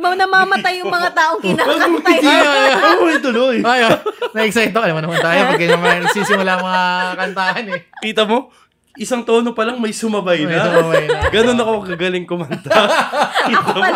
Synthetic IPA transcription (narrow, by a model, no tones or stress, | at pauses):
mɐnɐmaːmɐt̪ajːʊmɐŋat̪aːʔoŋkɪnaːɐjɐmoɐjt̪ʊlojajonɐɛksɐɪt̪ːoʔɐlamonɐmʊnt̪aːjopɐɡɡɐɐmɐɪsiːsɪmʊlaːʔmɐakɐnt̪aːhɐnɛkiːt̪ɐmo̞ | ʔɪsɐŋt̪oːnopɐlɐŋmɐjsʊmɐbɐjnɐjɡɐno̞nɐkokɐɡalɪŋkʊmɐnt̪ɐ | iːt̪